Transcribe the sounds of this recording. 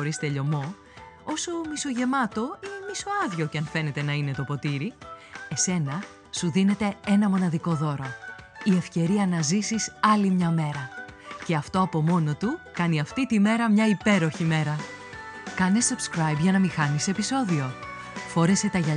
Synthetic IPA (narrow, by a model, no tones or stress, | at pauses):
oɾist̪eʎo̞mo̞ | o̞somiso̞ʝe̞mɐt̪o̞inemiso̞ɐðʝo̞ceɐnfe̞ne̞t̪e̞nɐine̞t̪o̞po̞t̪iɾie̞se̞nɐ | suðine̞t̪e̞e̞nɐmo̞nɐðiko̞ðo̞ɾo̞ie̞fce̞ɾiɐnɐzisisɐlimɲɐme̞ɾɐce̞ɐft̪o̞ɐpo̞mo̞no̞t̪ukɐniɐft̪it̪ime̞ɾɐmɲɐipe̞ɾo̞çime̞ɾɐ | kɐne̞sub̥skɾɐjbʝɐnɐmixɐnise̞piso̞ðio̞ | fo̞ɾe̞se̞t̪ɐʝɐ